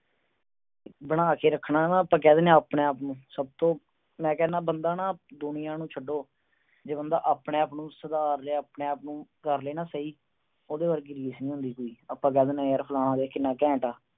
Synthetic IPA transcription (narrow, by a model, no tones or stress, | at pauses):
bəɽaːkeːɾəkʰːnaːnãːəpːãːkɛːd̪eːnjãːpneːaːpnũːsəb̚t̪õː | mɛ̃ːkɛːnaːbənd̪aːnaːd̪ʊnɪjãːnũːt͡ʃʰəɖoː | d͡ʒeːbənd̪aːʔaːpɳẽːaːpnũːsəd̪aːɾleːaːpneːaːpnũːkəɾleːnãːsəiː | oːd̪eːbəɾːk̬iɾiːsnĩːɦʊ̃nd̪iːkoːiːəpːãːk̬ɛːd̪eːnãːəɾpʰəlaːnãːd̪eːkɪnːaːkɛ̃ːʈaː